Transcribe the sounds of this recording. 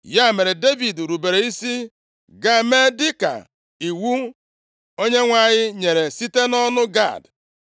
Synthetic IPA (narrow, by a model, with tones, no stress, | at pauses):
ja˦˨me˨ɾe˨de˦vi˨dɾu˨be˨ɾe˨i˦si˦ | ɡa˦˨me˦dɪ˦ka̰˨ | i˨wu˦ | o˦ɲe˦ŋʷa˦˨ɲɪ˦ɲe˨ɾe˨si˦te˦nɔ˦nʊ˦ɡa̰˦˨d